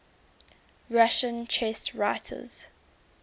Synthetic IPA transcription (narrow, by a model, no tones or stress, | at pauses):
ɹaʃə̃nt͡ʃʰɛsɹaɪtʰə̰z̥